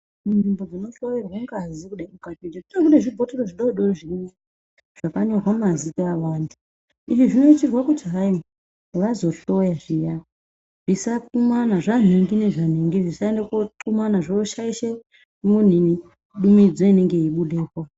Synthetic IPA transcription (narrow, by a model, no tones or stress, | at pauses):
munimbo̞d͡zino̞ɬojerwaŋɡazikuɗamukatid͡ʒitutak̬uɗeʐibʱoteɾoʐiɗoiɗoʐiɲe | ʐ̥akaɲo̞rwamumazikeawaːndi | iʐiʐino̞it͡ʃirwakud͡ʒaraimu | ʋazo̞ɬo̞jaʐija | ʐ̥isakumanaʐan̤iŋɡine̞ʐan̤iŋɡiʐisaendekwotumanaʐeːʃaiʃe | mun̤ini | ɗumid͡zo̞ine̞ŋɡe̞jiɓuɗeːkwa